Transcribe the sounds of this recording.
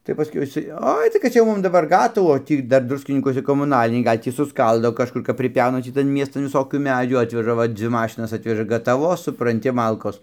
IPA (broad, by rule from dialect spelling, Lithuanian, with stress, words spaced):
tɐɪ pɐˈsʲkʲɛʊ ɪˈsɐɪ ˈoːɪ tɐɪ kɐt ˈt͡sʲɛ jɛʊ ˈmʊm dɐˈbɐr ˈɡɑːtɐʋuː oː ˈtʲiː ˈdɐr ˈdrʊsʲkʲɪnʲiːkuɔsʲɛ koːmʊˈnɑːlʲɪnʲɛɪ ˈɡɐlʲ ˈtʲiː sʊˈskɐlˠdoː kɐʃˈkʊr kɐp pʲrʲɪˈpʲɛʊnɐ ˈtʲiː tɐn ˈmʲiɛstɐn ʋʲɪˈsoːkʲuː ˈmʲæːd͡ʒʲuː ˈɑːtʲʋʲɛʒɐ ˈʋɐ ˈd͡zʲʋʲɪ ˈmɑːʃʲɪnɐs ˈɑːtʲʋʲɛʒɐ ɡɐtɐˈʋoːs sʊprɐnʲˈtʲɪ ˈmɐlˠkoːs